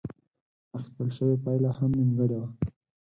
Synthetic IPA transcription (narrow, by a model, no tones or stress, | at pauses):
axɪ̥st̪əlʃəwepajlahamnuŋɡəɽawa